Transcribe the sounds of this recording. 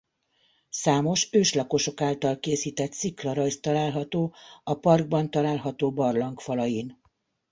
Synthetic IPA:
saːmo̞ʃøːʃlɒko̞ʃo̞kaːlt̪ɒlkeːsiːt̪ɛt̪siklɒɾɒjst̪ɒlaːlɦɒt̪oːɒpɒrɡ̚bɒnt̪ɒlaːlɦɒt̪oːbɒrlɒŋkfɒlɒjin

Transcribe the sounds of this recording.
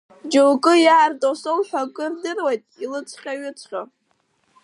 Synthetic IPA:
d͡ʒowkʼɨjaːrtʼosolħʷᶣakʼɨrdɨrwajtʼilɨt͡sʷʰʼχʲaɥʏt͡sʰʼχʲo

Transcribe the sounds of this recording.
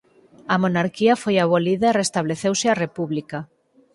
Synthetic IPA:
amonaɾkiafojaβ̞oliðairest̪aβ̞leθewsɪarepuβlika

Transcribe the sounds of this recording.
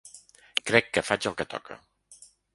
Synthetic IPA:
kɾɛkːəfad͡ʒəlˠkət̪ɔ̰kʰə̰

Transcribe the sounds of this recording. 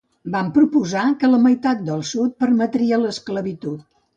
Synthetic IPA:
bampɾupuzakələməjt̪at̪̚d̪əlˠsut̪̚pəɾmət̪ɾiələskləβit̪ut̪̚

